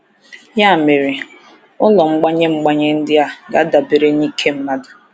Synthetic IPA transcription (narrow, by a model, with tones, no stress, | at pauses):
ja˦˨me˨ɾe˨ | ʊ˦lɔ˨ŋ͡m̩˦ɡ͡ba˦ɲe˦ŋ͡m̩˦ɡ͡ba˦ɲe˦n̩˦dɪ˦a˦˨ɡa˨˦da˨be˨ɾe˦ni˦kʰe˦m̩˦na˦da˨